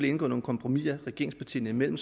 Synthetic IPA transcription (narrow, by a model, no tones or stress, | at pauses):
lee̝nɡ̥ɔ̰̽no̝ːkʰɒ̽mpʰʁomiɐʁɛɡ̥e̝ɐ̰eŋspʰɑ̈t͡sʰḭːnəimel̰m̩s